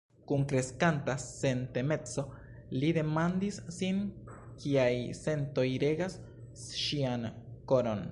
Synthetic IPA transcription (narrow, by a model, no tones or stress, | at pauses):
kunkɾe̞skantase̞nte̞me̞t͡so̞ | lide̞mand̪isːin | kiajse̞nto̞jɾe̞ɡas | ʃianko̞ɾo̞n